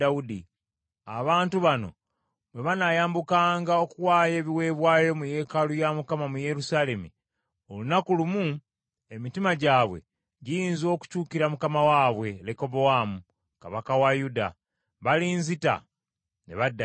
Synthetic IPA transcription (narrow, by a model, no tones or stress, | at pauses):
audi | aβaːntuβano̞̰ | βwe̞βanajaːmbukaːŋɡao̞kuwaːje̞ːβiwe̞ːβwaːjo̞muje̞ːkalujamukamamuje̞ɾusale̞mḭ | olunakulumu | e̞mitimaɟaːβwe̞̰ | ɟijiːnzo̞ːku̥cuːkiɾamukamawaːβwe̞leko̞bowamu | ka̰βakawajuda̰ | βaliːnzita̰ | nḛβadːa